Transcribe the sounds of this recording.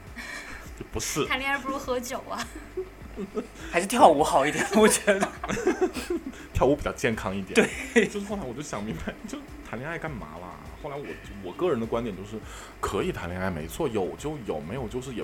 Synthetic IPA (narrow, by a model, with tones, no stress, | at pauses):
pu˧˥ʂɻ̩ʰ˥˩a˧˥nli˥ŋa˥˩ɪp̬u˧˩ɻu˧˥xɤ˧˥t͡ɕjo˨˩ʊɐ˦˧ | ɪʂɻ̩˥˧t̪ʰjɑ˥˩ʊu˧˥xɑ˨˩ʊi˥˩t̪jɛ˨˩nwɔ˨˩t͡ɕɥɛ˧˥d̪ə˧ | t̪ʰjɑ˥˩ʊu˧˥pi˨˩t͡ɕɑ˥˧ʊt͡ɕjɛ˥˩nkʰɑ˥ŋi˥˩t̪jt̪we˥˩ɪt͡ɕo˥˧ʊʂɻ̩˥xla˧˥wɔ˨˩t͡ɕo˥˧˩ʊ˩ɕjɑ˨˩ŋmi˧˥ŋba˨˧ɪ˥t͡ɕjo˥˧ʊʂ̩˥t̪ʰa˧˥nljɛ˧˥ŋa˥˧ɪka˥˩nma̰˧˥lə̰˧˩xo˥˩ʊla˧˥ɪwɔ˨˩˦t͡ɕwɔ˨˩kɤ˥˩ɻə˧˥nd̪ə˧kwa˥nt̪jɛ˨˩nt͡ɕjo˥˧ʊʂɻ̩˥˩ | kʰɤ˧˥i˨˩a˧˥nljɛ˧˥ŋa˥˩ɪme˧˥ɪt͡sʰwɔ˥˩jo˨˩ʊt͡ɕjo˥˩ʊjo˨˩ʊme˧˥ɪjo˨˩ʊt͡ɕjo˥˧ʊʂ̬ɻ̩˥˩jɛ˨˩